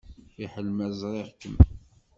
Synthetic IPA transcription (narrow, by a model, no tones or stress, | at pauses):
iħəlmæzˤɾˤɪʁkəm